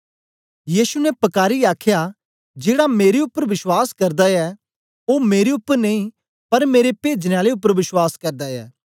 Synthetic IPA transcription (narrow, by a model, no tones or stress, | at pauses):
jiːsunɛpɐkaːɾiaːkʰja | d͡ʒeːɽameːɾeʊpːəɾʋɪswaːskɐɾd̪aɛ | oːmeːɾeʊpːəɾneĩ | pɐɾmeːɾepeːd͡ʒneaːleʊpːəɾʋɪswaːskɐɾd̪aɛ̰ː